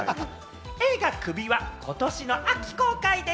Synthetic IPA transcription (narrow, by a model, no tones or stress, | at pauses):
eːɡakɯ̟bʲiβakʰo̞t̪o̞ɕino̞ʔakʲi̥ko̞ːkaid̪e